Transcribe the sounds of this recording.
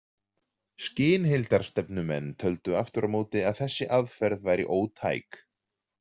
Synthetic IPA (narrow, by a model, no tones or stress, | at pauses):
scɪːnɦɪlt̪aɾ̥st̪ɛpnʏmɛ̰nːt̪ʰœlt̪ʏaft̪ʏɾamoːwt̪ɪaðθɛsːɪʔaðfɛɾðvaːjɾḭʔoːwt̪ʰa̰ːjk